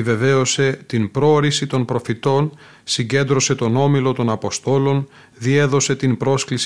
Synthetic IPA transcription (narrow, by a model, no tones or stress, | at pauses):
ive̞ve̞o̞se̞t̪inpɾooɾisit̪o̞npɾo̞fit̪o̞n | siɲɟe̞nd̪ɾo̞se̞t̪o̞no̞milo̞t̪o̞nɐpo̞st̪o̞lo̞n | ðie̞ðo̞se̞t̪inpɾo̞sklis